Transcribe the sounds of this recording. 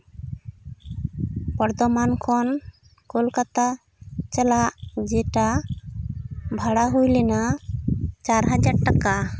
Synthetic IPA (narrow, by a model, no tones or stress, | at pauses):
pɔɾd̪ɔmankʰɔn | kolkat̪a | t͡ʃalaʔd͡ʒɛʈa | bʱaɽaɦujlɛna | t͡ʃaɾɦad͡ʒaɽʈaka